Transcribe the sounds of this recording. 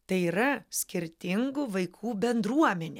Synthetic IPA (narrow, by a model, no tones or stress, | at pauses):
t̪ɐɪiɾɐsʲkʲɪɾʲt̪ʲɪŋɡʊʋɐɪkʰuːbʲɛnd̪ɾuɔmʲɛnʲe